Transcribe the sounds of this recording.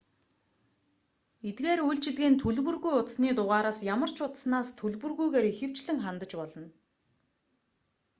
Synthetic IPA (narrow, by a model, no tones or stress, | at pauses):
et̪ɣeːɾujɬt͡ɕɪ̆ɮɣeːnt̪ʰɵɮwɵ̆rɣujʊt̪sniːt̪ʊʁaːɾaːsjamə̆r̥t͡ɕʰʊt̪snaːst̪ʰɵɮwɵ̆rɣujɣeːɾixɘ̆w̥t͡ɕɮɘ̆ŋχant̪ə̆t͡ɕpɔɮɞ̆n